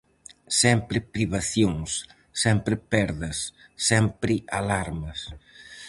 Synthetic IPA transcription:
sɛmpɾɪpɾiβaθjoŋsː | ɛmpɾɪpɛɾðɐsː | ɛmpɾɪʔalaɾmɐs

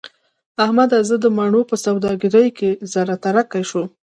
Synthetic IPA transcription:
ahmad̪azəd̪əmaɳopəsawd̪ɑɡɪɾəjkezaɾat̪aɾakajʃu

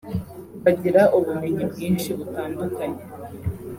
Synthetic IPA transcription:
βaɟiɾaʔuβume̞ɲibɡiːnt͡ʃiβutaːndukaɲe

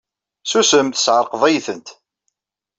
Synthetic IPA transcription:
susəmθə̥sʕəɾqvˤæjθənt̪

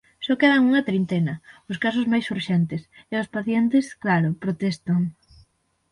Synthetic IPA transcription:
sɔkeð̞ɐŋuŋɐt̪ɾint̪enɐʊskasʊzmajsuɾʃɛnt̪ɪseʊspaθjɛnt̪ɪsklaɾʊpɾot̪ɛst̪ɐŋ

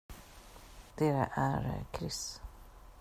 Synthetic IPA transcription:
d̪̥eːɾa̰ʔæɾkʰɾɪs

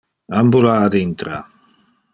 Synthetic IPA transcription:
ambulaːd̪int̪ɾa̰

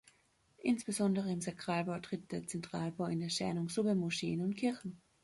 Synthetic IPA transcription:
ʔɪnsb̥əzɔndəʁəɪmzakʁ̥aːlbaʊtʁ̥ɪt̚d̥eːɐt͡sɛntʁ̥aːlbaʊɪndeːɐʃɛ̰ɐnʊŋz̥ʊpəmuʃeːənʊntkʰɪɐçn̩

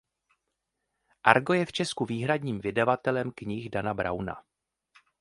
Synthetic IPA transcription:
ʔaɾɡo̞jɛft͡ʃɛskuviːɦɾadɲiːmvɪdavat̪ɛlɛmkɲɪxdanabɾʔa̰wna̰

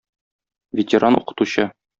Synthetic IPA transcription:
vʲɪtʲɪɾʔanṵqɤ̥̆t̪uɕɤ

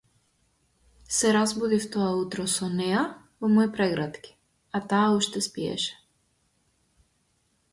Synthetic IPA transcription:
sɛɾazbud̪ift̪ɔaut̪ɾɔsɔnɛja | vɔmɔipɾɛɡɾat̪ki̥ | at̪aːuʃt̪ɛspiɛ̰ʃɛ̥

